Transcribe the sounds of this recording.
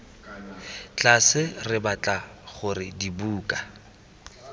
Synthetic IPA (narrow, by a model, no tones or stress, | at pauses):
t͡ɬʼasɪrɪbat͡ɬʼaχʊrɪdibuːkʼa